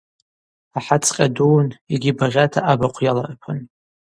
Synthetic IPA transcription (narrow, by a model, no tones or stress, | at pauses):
aħat͡sʰqʲʼaduwniɡʲibaʁʲatʰaʔabaqʷʰjala̰rpʰɨn